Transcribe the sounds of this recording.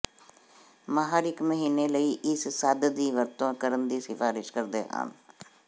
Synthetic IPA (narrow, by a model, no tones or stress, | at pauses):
maɦaɾɪkməɦiːneləiːʔɪssad̪d̪iːʋəɾt̪õːkəɾənd̪iːsɪfaːɾɪʃkəɾd̪ḛːɦã̰ːn